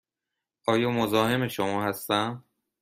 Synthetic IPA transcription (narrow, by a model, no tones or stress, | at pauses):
ɒːjɒːmozɒːhe̞meʃomɒːhæst̪æm